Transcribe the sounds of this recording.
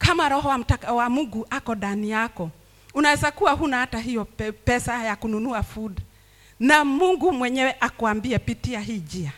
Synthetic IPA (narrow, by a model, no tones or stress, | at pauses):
kamaɾɔɦɔwam̩takawamuŋɡuʔakɔɗanijakɔ | unawɛzakuwaɦunahataɦijɔpɛsajakununuafuɗa | namuŋɡumwɛɲɛwɛʔakuambiɛpitiaɦiːd͡ʒia